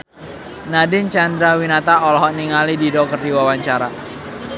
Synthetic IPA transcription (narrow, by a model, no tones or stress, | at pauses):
nadɪnt͡ʃand̪ɾawinat̪aɔlɔɦɔʔniŋalididɔk̚t̪ərdiwawaɲt͡ʃaɾa